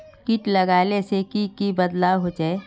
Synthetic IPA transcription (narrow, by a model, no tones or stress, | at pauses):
kiʈlɐɡaːlesekikibɐd̪laːwɦod͡ʒae